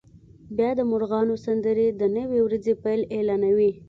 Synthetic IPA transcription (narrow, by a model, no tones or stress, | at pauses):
bjɑd̪əmʊɾɣɑnosand̪əɾed̪ənəwewɾazepajlelɑnawi